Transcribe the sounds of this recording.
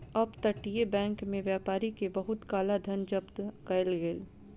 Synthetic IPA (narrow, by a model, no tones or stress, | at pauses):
ɐbt̪ɐʈiebɛ̃ːŋkmẽʋjaːpaːɾikebɐɦʊt̪kaːlad̪ʱɐnd͡ʒɐbt̪kɐlɡeːl